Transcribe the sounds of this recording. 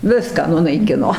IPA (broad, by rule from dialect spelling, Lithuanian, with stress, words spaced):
ˈʋʲɪskɑː nʊnɐɪˈkʲɪnoː